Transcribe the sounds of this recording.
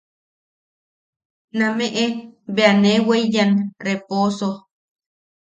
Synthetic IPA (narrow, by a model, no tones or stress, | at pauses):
nameʔeβeaneweijanreposo